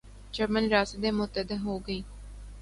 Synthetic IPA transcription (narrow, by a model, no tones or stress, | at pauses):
d͡ʒəɾmənɾaːsed̪eːmʊt̪əd̪əɦoːɡəiː